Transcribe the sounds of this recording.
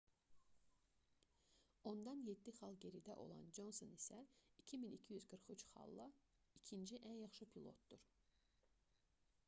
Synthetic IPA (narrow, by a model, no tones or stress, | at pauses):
o̞nd̪ɑnjed̪ːiχɑlˠɟe̞ɾid̪æʔo̞̰lˠɑ̰nd͡ʒo̞nsonisæicʰiminicʰijyzɡɯɾχyt͡ʃχɑ̰lˠːɑ | icʰind͡ʒiʔænjɑχʃɯpʰilˠo̞̰t̪̚d̪̥uɾ̥